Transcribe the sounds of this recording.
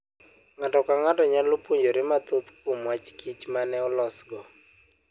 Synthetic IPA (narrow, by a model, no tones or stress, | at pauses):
ŋatɔkaŋatɔɲalopuɲd͡ʒoɾɪmat̪ot̪kumwat͡ʃkit͡ʃmanɛɔlɔsɡɔ